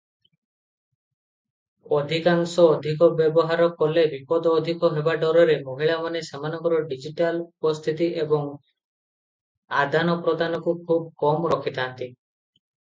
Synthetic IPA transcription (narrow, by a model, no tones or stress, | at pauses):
ɔd̪ʱikaŋsɔːd̪ʱikɔbjebɔɦaɾɔkɔlebipɔd̪ɔːd̪ʱikɔɦebaɖɔɾɔɾemoɦiɭamanesemanɔŋkɔɾɔɖid͡ʒiʈalupɔst̪ʰit̪iʔebɔŋ | ad̪ʱanɔpɾɔd̪ʱanɔkukʰub̚kɔmɾɔkʰit̪aant̪i